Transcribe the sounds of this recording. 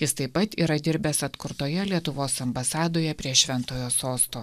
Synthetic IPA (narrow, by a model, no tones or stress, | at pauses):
jɪst̪ɐɪpːɐt̪iːɾɐd̪ʲɪɾʲbʲɛsɐt̪kʊɾt̪oːjɛlʲiɛt̪ʊʋoːsɐmbɐsɑːd̪oːjɛpʲɾʲiɛʃʲʋʲɛnt̪oːjoːsoːst̪oː